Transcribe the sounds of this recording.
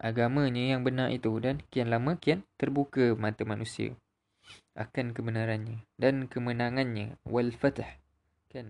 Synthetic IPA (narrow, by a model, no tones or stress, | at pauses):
ʔaɡamãɲəjaŋbənarʔḭt̪udankianlamə̃kiant̪ərbukəmat̪əmanusia̰ | ʔa̰kankəbənaɾanɲə̃dankəmənãŋanɲə̰̃walfat̪h | kan